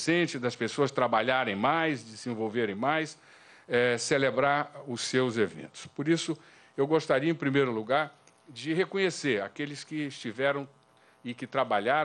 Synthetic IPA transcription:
sẽt͡ʃɪd̪ɐspesoɐst̪ɾabaʎaɾẽj̃majzd͡ʒɪzĩvowveɾẽj̃majs | ɛselebɾaɾʊsːewzevḛ̃nt̪ʊ̥spoɾisʊ | ewɡost̪aɾiɐẽpɾimejɾʊluɡaɾ | d͡ʒɪɦekõɲeseɾa̰kelɪskɪɪst͡ʃivɛɾɐ̃w̃ | ɪkɪt̪ɾabaʎaɾ

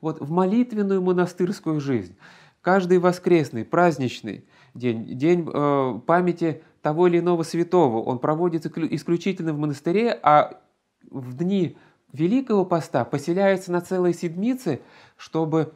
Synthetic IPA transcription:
vo̞t̪vmɐlʲit̪vʲɪnːʊjʊmənɐst̪ɨrskʊjʊʐɨzʲnʲ | kaʐd̪ɨjvɐskɾʲe̞snɨjpɾazʲnʲɪt͡ɕnɨ̰j | dʲenʲdʲenʲpamʲɪtʲɪ | t̪ɐvo̞ɪlʲɪno̞vəsvʲɪt̪o̞vəʔo̞̰npɾɐvo̞dʲɪt̪ʔɪsklʲʉt͡ɕitʲɪlʲnəvmənəst̪ɨɾʲeʔa | vd̪ʲnʲi | vʲɪlʲikəvəpɐst̪apəsʲɪlʲæjɪt̪sənɐt̪sɛlˠəjsʲɪd̪ʲmʲit̪sɨ | ʂt̪o̞bɨ

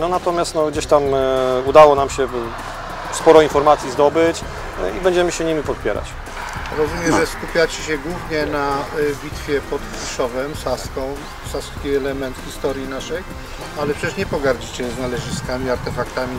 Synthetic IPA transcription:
nɔnat̪ɔmʲjast̪nɔɡd͡ʑeɕt̪amud̪awɔnamɕɛ | spɔɾɔinfɔɾmat̪sʲjizd̪ɔbɘt͡ɕ | ḭbɛɲd͡ʑɛmɘɕɛɲimʲipɔt̪̚pʲjɛ̰ɾa̰t͡ɕ | ɾɔzumʲjɛʐɛskupʲjat͡ɕɛɕɛɡwuvɲɛnavʲit̪fʲjɛpɔt̪fuʂɔvɛmsaskɔ̃w̃ | saskʲiɛlɛmɛnt̪xʲist̪ɔɾʲjinaʂɛj | alɛpʂɛt͡ɕʲɛʂɲɛpɔɡaɾd͡ʑit͡ɕɛznalɛʐɨst̪kamʲiaɾt̪ɛfakt̪amʲi

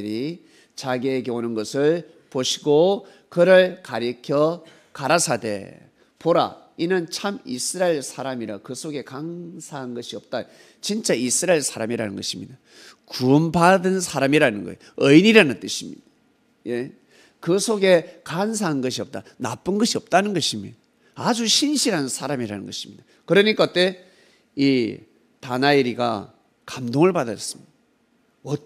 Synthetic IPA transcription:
ɯɾi | t͡ɕaɡieɡeonɯnɡʌsʰɯɭ | poɕʰiɡo | kɯɾɯɭkaɾikʰjʌ | kaɾasʰade̞̰ | poɾa̰ | inɯnt͡ɕʰamisʰɯɾaeɭsʰaɾamiɾakɯsʰoɡe̞kansʰaɦannɡʌɕʰiʌp̚t͈a | t͡ɕint͡ɕ͈aisʰɯɾaeɭsʰaɾamiɾanɯnɡʌɕʰimɲida | kumbadɯnsʰaɾamiɾanɯnɡʌ̰ej | ʌiniɾanɯnt͈ɯɕʰimɲḭd̥a | je̞ | kɯsʰoɡe̞kans̬ʰaɦannɡʌɕʰiʌp̚t͈anap͈ɯnɡʌɕʰiʌp̚t͈anɯnɡʌɕʰimɲida | ad͡ʑuɕʰinɕʰiɾɦannsʰaɾamiɾanɯnɡʌɕʰi̥mɲid̥a | kɯɾʌɲik͈at͈e̞ | i | tanaiɾiɡa̰ | kamdoŋɯɭpadas͈ɯ̥mɲidda | wʌ

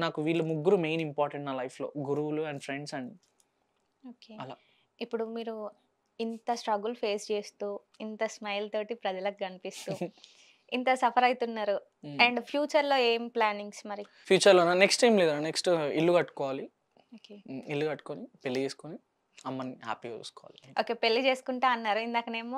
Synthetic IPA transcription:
naːkuʋiːɭːumuɡːuɾume̞jnimpaːɾʈeɳʈnaːlɐjpʰlo̞̰ːɡuɾuʋuluɛɳɖfʰɾe̞ɳɖsɐɳɖi | oːkeːɐla̰ː | ipːuɽumiːɾu | int̪ɐsʈɾɐɡulpʰe̞ːst͡ʃe̞ːst̪uː | int̪ɐsmɐjlɐt̪oːʈipɾɐd͡ʒɐlɐkɡɐnipist̪uː | int̪ɐsɐpʰɐɾɐjt̪unːaːɾu | ɐɳɖpʰjuːt͡ʃɐɾlo̞ːeːmplaːniŋɡsmɐɾi | pʰjuːt͡ʃɐɾlonːaːneksʈːajmleːd̪aneksʈilːuɡɐʈːu̥kɔːʋaːli | oːkeːilːuɡɐʈːu̥konipelːid͡ʒeːskoni | ɐmːɐniɦa̰ːpiːɐɾṵskɔʋaːlioːke̞ːpe̞lːid͡ʒe̞ːsu̥kuɳʈeːɐnːaːɾuind̪aːkɐne̞ːmoː

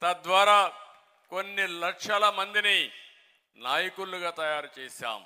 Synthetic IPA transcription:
t̪ɐd̪ʋaːɾaː | konːilɐkʂɐlɐmɐnd̪ini | naːjɐkulːuɡaːt̪ɐjaːɾt͡ʃeːsa̰ːm

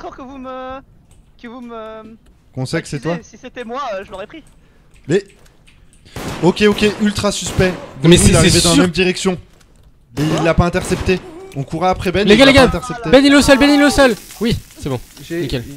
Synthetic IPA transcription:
kɔʁkəvumə | kəvumə | kɔ̃sɛksɛt̪wasiset̪ɛmwaøʒələʁɛpχi | bɛ | okʲeokʲeʔylt̪χasyspɛṽmɛsaʁived̪ɑ̃lammɛmd̪iʁɛksjɔ̃ | mɛiilːapaɛ̃t̪ɛʁsɛpt̪eɔ̃kuʁaːpχɛbɛnleɡalːeɡalɛ̃t̪ɛʁsɛp̚t̪ebɛnilːəsœlbɛnilːəsœlwisɛbɔ̃mikʲɛl

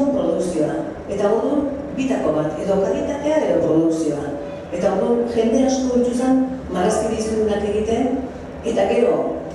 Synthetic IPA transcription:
umpɾo̞ðuksio̞a̰ | e̞t̪aoɾðun | bit̪ako̞βat̪e̞ðo̞kaɣit̪at̪e̞ae̞ðo̞βo̞luksio̞a | e̞t̪aoɾðunʝe̞nd̪e̞asko̞it̪usanmaɾeskiβisuɾunake̞ɣit̪e̞n | e̞t̪aɣe̞ɾo̞

